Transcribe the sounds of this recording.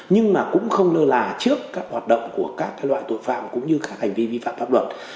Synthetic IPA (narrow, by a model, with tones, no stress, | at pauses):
ɲɨ˧ŋmaː˨˩kʊ̰˧˥ŋ͡mxə˧wŋ͡mləː˧laː˨˩t͡ɕɨ˦˥əkːaː˦˥k̚hwaː˨˩t̚ɗə̰˧˨wŋ͡mku˧˩əkaː˦˥k̚aː˨˦jlwa̰ː˧˨jt̪o˧˩nfa̰ː˧˨mkʊ̰˧˥ŋ͡mɲɨ˧kaː˦˥k̚ha˨˩jŋ̟vi˧vi˧fa̰ː˧˨mfaː˦˥p̚lwə˨˩t̚